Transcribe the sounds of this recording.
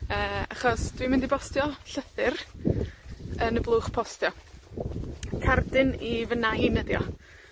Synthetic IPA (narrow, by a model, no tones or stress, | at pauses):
əːaχɔsd̥wimɪndibɔstjɔɬəθɪr | ənəblˠuːχpʰɔstjɔ | kʰardɪnivənajnədjɔ̰